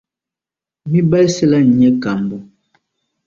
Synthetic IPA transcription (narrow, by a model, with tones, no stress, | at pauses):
mi˦ba˦i˦sɛ˦la˦ɲ̩˨ɲɛ˦ka˨mbu˨